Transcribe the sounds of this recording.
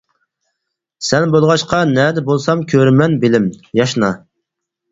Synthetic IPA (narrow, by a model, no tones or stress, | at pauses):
sɛnbolˠʁɑʃqɑnɛːd̪ɛbolˠsɑmkʲʰøɾmɛnbɪlɪmjɑʃnɑ